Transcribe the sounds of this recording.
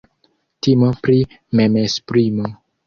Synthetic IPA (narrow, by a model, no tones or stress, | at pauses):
timopɾi | memespɾimo